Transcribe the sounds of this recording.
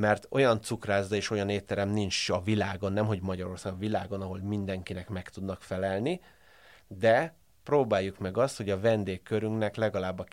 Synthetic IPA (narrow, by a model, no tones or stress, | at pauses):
mɛrt̪o̞̰jɒnt̪sukraːzːɒeːʃo̞jɒneːt̪ːɛɾɛmnint͡ʃɒvilaːɡo̞nːɛmɦo̞ɟmɒɟɒɾo̞rsaːɡɒvilaːɡo̞nɒɦo̞lmind̪ɛŋkinɛkmɛkt̪ud̪nɒkfɛlɛlni | d̪ɛ | proːbaːjːukmɛɡɒst̪ho̞ɟɒvɛnd̪eːkːøɾyŋknɛklɛɡɒlaːbːɒ